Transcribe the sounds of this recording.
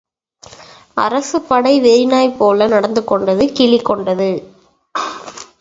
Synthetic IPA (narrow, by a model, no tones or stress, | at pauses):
ʔɐ̰ɾɐsɯpːɐɽɐɪʋɛɾɪnaːjpːoːlɐnɐɽɐnd̪ɯkːɔɳɖɐðɯkɪɭɪkːɔɳɖɐðɯ